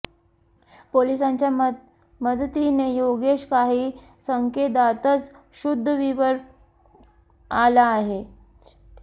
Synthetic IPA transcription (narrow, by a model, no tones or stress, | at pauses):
polisãɲt͡ɕja | məd̪t̪inejoɡeɕkaɦiː | səŋked̪at̪ət͡s | ɕud̪ʱːəʋiʋəɾ | alaːɦe